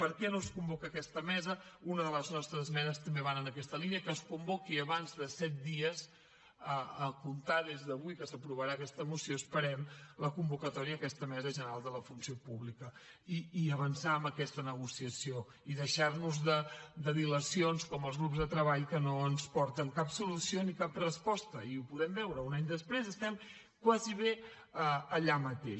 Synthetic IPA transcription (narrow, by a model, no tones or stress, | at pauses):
pəɾkɛnoskumbokəːkɛst̪əmɛzəunəðələznɔst̪ɾəzmɛnəst̪əmbeβanənəkɛst̪əliniəkəskumbokiəβanzðəsɛt̪̚d̪iəz | əːkunt̪aðezðəβuikəsəpɾuβəɾaəkɛst̪əmusjoəspəɾɛmləkumbukət̪ɔɾiəːkɛst̪əmɛzəʒənəɾalˠd̪ələfunsiopuβlikə | iːəβənsaəmbəkɛst̪ənəɣ̞usiəsio | iðəʃarnuzðəd̪əðiləsionskɔməlˠzɣɾupzðət̪ɾəβ̞aʎkənoənspɔɾt̪əŋkapsulusionikaprəspɔst̪əiupuðɛmbɛwɾəunaɲd̪əspɾezəst̪ɛm | kwaziβ̞e | əəʎamət̪eʃ